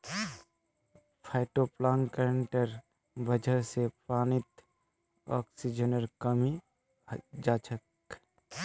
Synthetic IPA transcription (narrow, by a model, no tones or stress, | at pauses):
pʰaːɪʈoplaːŋkəɾəɳʈəɾ | bəd͡ʒʱəsepɾaːnɪt̪ | ɔ̰ːksid͡ʒənəɾkɐmi | d͡ʒaːt͡ʃʰək